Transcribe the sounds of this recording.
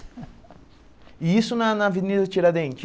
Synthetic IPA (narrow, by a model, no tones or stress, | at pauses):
iisʊnɐnɐvinid̪ɐt͡ʃiɾɐd̪ẽnt͡ʃɪ